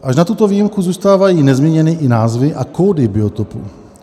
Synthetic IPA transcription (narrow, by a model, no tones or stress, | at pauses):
ʔaʃnat̪ut̪o̞viːjimkuzuːst̪aːvajiːnɛzmɲɛɲɛnɪʔɪnaːzvɪʔakoːdɪbɪo̞t̪opṵ